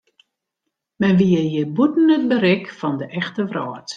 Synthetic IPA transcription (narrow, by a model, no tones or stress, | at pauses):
mɛnʋiəjəbutn̩ət̚bəɾɪkfɔndəʔɛxtəʋrɔət